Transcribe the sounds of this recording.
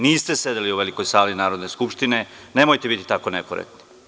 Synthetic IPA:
niːst̪e̞se̞d̪eliuʋe̞liko̞jsaːlinaːɾo̞d̪ne̞skupʃt̪ine̞ | ne̞mojt̪ebit̪i̥t̪ako̞nekoɾḛk̚t̪ni̥

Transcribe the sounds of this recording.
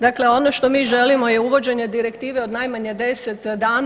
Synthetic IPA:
d̪akleo̞no̞ʃt̪o̞miːʒe̞limo̞jeuʋo̞d͡ʑe̞ɲe̞d̪iɾe̞kt̪iːʋeo̞d̪najmaɲed̪e̞set̪d̪aːn

